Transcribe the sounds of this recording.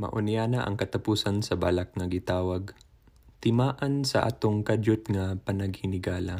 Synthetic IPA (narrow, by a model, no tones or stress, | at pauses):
mɐ̰ʔʊnɪjaːnɐʔɐ̰ŋkɐt̪ɐpuːsɐnsɐbaːlɐk̚ŋɐɡɪt̪aːwɐɡ̚ | t̪ɪmaːʔɐnsɐ̰ʔa̰t̪oŋkad͡ʒʊt̪̚ŋɐpɐnɐɡ̚hɪnɪɡaːlɐ